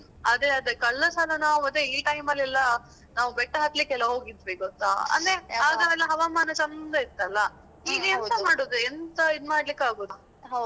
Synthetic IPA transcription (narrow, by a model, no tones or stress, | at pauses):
ɐd̪eɐd̪ekɐɭːɐsalɐnaːʋuɐd̪eiʈɐjmɐlːɛlːɐ | naːʋubɛʈːɐɦɐt̪likɛlɐɦo̞ːɡid̪ʋiɡɔt̪ːa̰ɐ̰nd̪eaːɡ̪ɐʋɛlːɐɦɐʋaːmaːnɐt͡ʃɐnd̪ɐit̪ːɐlːɐ | iːnijɐnt̪ɐmaːɽoːd̪uent̪ɐid̪maːɽlikːaːɡoːd̪u